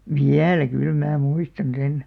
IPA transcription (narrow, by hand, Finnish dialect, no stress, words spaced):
ʋiælæ kyl mæː muistɑn sen